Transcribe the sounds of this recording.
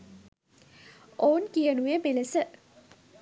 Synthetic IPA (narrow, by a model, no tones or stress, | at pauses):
oːnkijənuemeləsə